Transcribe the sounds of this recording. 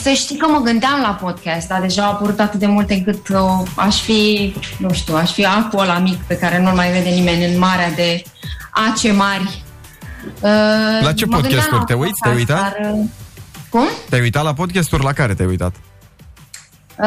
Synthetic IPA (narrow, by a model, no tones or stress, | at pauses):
səʃt̪ikəməɡɨnd̪eamlapo̞d̪̚kɛst̪d̪ad̪e̞ʒaapəɾut̪at̪ɨt̪̚d̪e̞mult̪ɨŋkɨt̪oaʃfinuʃt̪iuaʃfiakuolamikpe̞kaɾe̞nulmajve̞d̪e̞nime̞nʲɨnmaɾead̪e̞ | at͡ʃe̞marʲ | əlat͡ʃempodɡɨnkʲɛsat̪urt̪eujt̪sʲt̪ejujt̪at | kumt̪eajujt̪at̪lapo̞d̪̚kʲast̪urʲlakaɾet̪ea̰jujt̪a̰t̪